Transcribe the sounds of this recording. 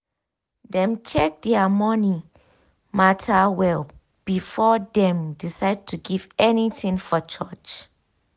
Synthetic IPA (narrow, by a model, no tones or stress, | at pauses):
dɛ̃mt͡ʃʰɛk̚dɛamɔni | matʰawɛl | b̥ifɔdɛ̃mdisaɪd̚tʰuɡivɛnitĩŋfɔt͡ʃɔt͡ʃ